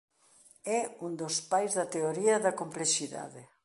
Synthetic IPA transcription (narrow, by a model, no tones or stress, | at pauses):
ɛund̪ospajzðɐt̪eoɾiɐðɐkompleʃiða̰ðe